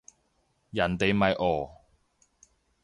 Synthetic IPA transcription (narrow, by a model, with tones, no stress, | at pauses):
jɐ˨˩nt̪e˨jmɐ˨jʔɔː˨˩